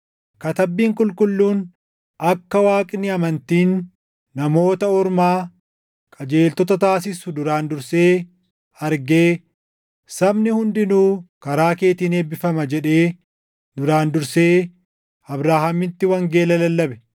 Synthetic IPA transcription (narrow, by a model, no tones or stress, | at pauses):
kɐt̪ɐbːiːŋkʼʊlkʼʊlːuːn | ɐkːɐwaːkʼɪnːɪɐmɐnt̪iːnː | ɐmo̞ːt̪ɐɔɾmaː | kʼɐd͡ʒe̞ːlt̪ɔt̪ɐt̪aːsɪsʊd̪ʊɾaːnd̪ʊɾse̞ː | hɐɾɡeː | sɐbnɪhʊnd̪ɪnuːkɐɾaːke̞ːt̪iːne̞ːbɪfɐmɐd͡ʒɛᶑe̞ː | d̪ʊɾaːnd̪ʊɾse̞ː | ɐbɾaːhɐmɪnt̪ːɪwɐŋɡe̞ːlɐlɐlːɐbɛ̥